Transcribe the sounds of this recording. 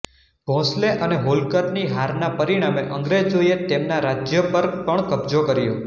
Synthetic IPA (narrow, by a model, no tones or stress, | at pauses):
bʱɔ̃sleʔəneɦolkəɾniɦaɾnapəɾiɽ̃ameʔəŋɡɾed͡ʒojet̪emnaɾad͡ʒjəpəɾpəɳkəbd͡ʒokəɾijõ̰